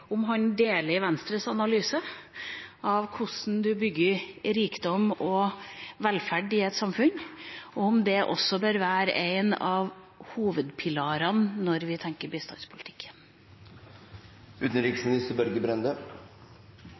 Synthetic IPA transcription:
ʊmɦɑnd̪eːlɪʋɛnst̪ɾəsɑnɑlyːsə | ɑʋkʰʊsn̩d̪ʉbʏɡːəɾɾiːkd̪ɔmɔʋɛlfæɖɪɛt̪sɑmfʉɲɔʊmd̪ɛʔɔ̰sːɔbøːɾʋæːɾəʔeɪnɑʋ | huːʋəd̪pʰɪlɑːɾɑnːɔɾʋɪt̪ʰɛŋkəɾbɪst̪ɑ̰nspʰʊlɪt̪ʰɪ̥kʰːən | ʉːt̪n̩ɾɪksmɪnɪst̪əɾbœɾɡəbɾɛnd̪ə

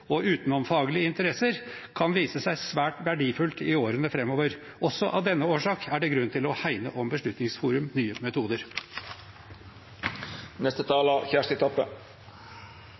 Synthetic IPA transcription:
ɔʔʉːt̪nɔmfɑːɡəlɪəɪnt̪əɾɛsəɾ | kʰɑnʋiːsəsæɪsʋæːʈʋæɖiːfʉlt̪ɪoːɾənəfɾɛmːɔʋəɾ | ʔɔsːɔʔɑ̰ʋd̪ɛnːəoːʂɑːkæɖɛɡɾʉnt̪ʰɪlɔhæɪnə̰ʔɔmbəʂɭʉt̪nɪŋsfuːɾʉmnyːəmɛt̪ʰuːd̪əɾ | nɛst̪ət̪ʰɑːləçæʂt̪ɪt̪ʰɔpːə̰

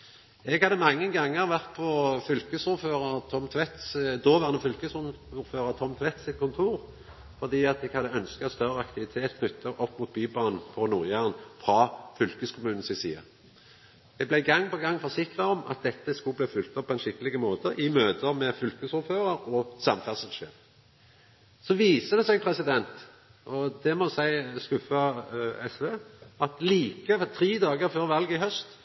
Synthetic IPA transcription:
ɛɡhɑd̪əmɑŋːənɡɑŋːəʁʋæʁt̪̚pʰɔfʏlkəsuːʁføːʁəʁt̪ʰɔmt̪ʰʋɛt̪sd̪oːʋæʁnəfʏlkəsuːɾføːʁət̪ʰɔmt̪ʰʋɛt̪sɪt̪kʰʊnt̪ʰuːʁ | fɔʁd̪iːɑt̪ɛɡhɑd̪əœnskəst̪œʁəɑkt̪ɪʋɪt̪ʰeːt̪kʰnʏt̪ʰːəʔɔpːmuːt̪̚byːbɑːnn̩pʰɔnuːʁjæːʁn̩fʁɑfʏlkəskʰʊmʉːnn̩sɪsḭːɑ̰ | d̪̥ɛblæɪɡɑŋːpɔɡɑŋːfɔsɪkʁɑɔmʔɑ̰t̪̚d̪ɛt̪ːəskʉbliːfʏlt̪ɔpːɔɛnʃɪkːəlɪɡəmoːt̪əʔɪmøːt̪əmɛfʏlkəshʊføːʁəɾɔsɑmfæʁsəlʃḛːʁ | sɔʋiːsəd̪ɛsɛɡpʰʁɛsɪd̪ɛnt̪ | ʔɔd̪ɛmɔsæɪskʉfɑɛsʋeːɑt̪liːkət̪ʰɾiːd̪ɑːɡəʁføːʁʋɑlɡɪɦœst̪

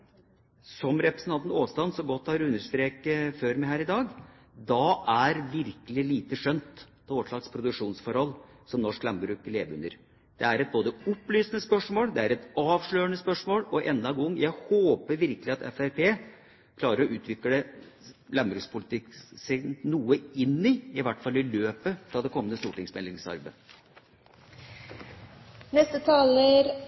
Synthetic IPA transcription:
sɔmɾɛpɾɛsənɑnt̪noːst̪ɑnsɔɡɔt̪ːhɑɾʉnːəɾʂt̪ɾeːkəføːɾmæɪhæːɾɪd̪ɑːɡ | d̪ɑʔæɾʋɪɾkəlɪliːt̪əʂœnt̪ | pʰɔʋɔʂɭɑkspʰɾʊd̪ʉkʂuːnsfɔɾhɔlː | sɔmnɔʂklæmbɾʉːkleːʋəʉ̰nd̪ə̰ɾ | d̪̥ɛæɾɛt̪̚boːd̪əʊpːlyːsənəspœʂmoːld̪ɛæɾɛt̪ɑːʋʂɭøːənəspœʂmoːlɔʔɛnd̪ɑɡɔŋːjæɪhoːpəɾʋɪɾkəlɪɑt̪ɛ̰fæɾpʰeː | kʰlɑːɾəɾɔʉːt̪ʰʋɪkːəə | læmbɾʉːspʰʊlɪt̪ɪksɪnnuːəɪnːɪɪʋæʈːfɑlːɪløːpət̪ɑd̪ɛkʰɔmːənəst̪uːʈɪŋsmɛlɪŋsɑ̰ɾbə | nɛst̪ət̪ʰɑːləɾ

